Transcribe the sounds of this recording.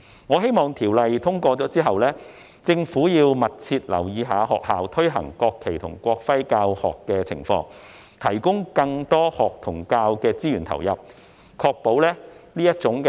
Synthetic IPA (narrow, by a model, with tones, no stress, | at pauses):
ŋɔː˨˧ɦe˥jmɔː˨ŋt̪ʰiː˨˩wlɐ˨jt̪ʰʊ˥ŋkʷɔː˧t͡sɔː˨˥t͡siː˥ɦɐ˨wlɛː˥ | t͡sɪ˧ŋfuː˨˥jiː˧wmɐ˨t̚t͡sʰiː˧t̚lɐ̰˨˩wjiː˨˧ɦaː˨˧˥ɦɔː˨k̚haː˨wt̪ʰɵ˥ɥɦɐ̰˨˩ŋkɔː˧kʰːe˨˩jt̪ʰʊ̰˨˩ŋkʷɔː˧k̚fɐ˥jkaː˧whɔ̰ː˨kːɛː˧t͡sʰɪ̰˨˩ŋfɔ̰ː˧ŋ | t̪ʰɐ˨˩jkʊ˥ŋkɐ˧ŋt̪ɔː˥hɔː˨k̚t̪ʰʊ˨˩ŋkaː˧wkɛː˧t͡siː˥jyː˨˩nt̪ʰɐ̰˨˩wjɐ˨p̚ | kʰɔː˧k̚po˨˥wlɛː˥liː˥jɐ˥t̚t͡sʊ˨˥ŋkɛ